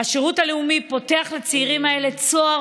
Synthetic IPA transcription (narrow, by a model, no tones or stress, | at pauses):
aʃeʁutaleumipo̞te̞aχlat͡siiʁimae̞le̞t͡so̞a